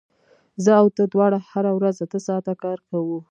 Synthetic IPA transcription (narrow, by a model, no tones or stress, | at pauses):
zəawt̪əd̪wɑɽahaɾawɾazat̪əsɑt̪akɑɾkawu